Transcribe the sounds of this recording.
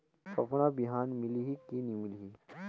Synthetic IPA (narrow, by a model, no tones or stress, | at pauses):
pɐpnabiɦaːnmɪliɦikinimɪliɦi